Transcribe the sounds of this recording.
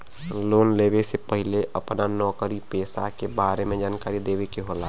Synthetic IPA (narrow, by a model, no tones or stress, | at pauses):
loːnleːbesepəɦɪleʔəpnanɔːkəɾipeːsa̰kebaːɾemẽd͡ʒaːnkaːɾid̪eːbekiɦola